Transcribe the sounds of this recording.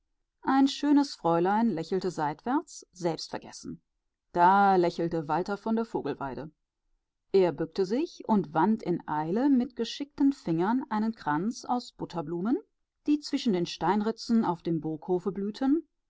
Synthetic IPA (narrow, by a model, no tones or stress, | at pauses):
ʔaɪnʃøːnəsfʁ̥ɔʏlaɪnlɛçl̩təzaɪtv̥ɛɐt͡sz̥ɛlpstfɛɐɡɛsn̩ | d̥aːlɛçl̩təvaltɐfɔndeːɐfoːɡl̩va̰ɪdə | ʔeːɐbʏk̚təzɪçʊntv̥antʰɪnʔaɪləmɪtɡ̥əʃɪk̚tən̩fɪŋɐnʔaɪnənkʁ̥ant͡sa̰ʊsb̥ʊtʰɐbluːmən | d̥iːt͡sv̥ɪʃn̩deːnʃtaɪnʁɪt͡sn̩aʊfd̥eːmboːkhoːfəblyːtʰən